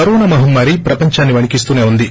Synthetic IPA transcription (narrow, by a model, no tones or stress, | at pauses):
ɐɾuːnɐmɐɦumːaːɾipɾɐpɐɲt͡ʃaːnːiʋɐɳikist̪uːneːund̪i